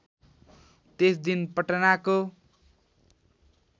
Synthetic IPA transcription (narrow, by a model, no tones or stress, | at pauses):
t̪esd̪inpʌʈʌnako